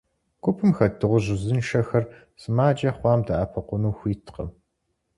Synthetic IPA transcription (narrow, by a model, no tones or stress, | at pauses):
ɡ̥ʷʊpʰɨmxɐdʰɨʁʷʊʑɪzɨnʃɐxɐr | sɨmaːd͡ʒʼɐχʷɑːmdɐaːpʰɐqʷʊnuːxʷiːtʰqɐ̰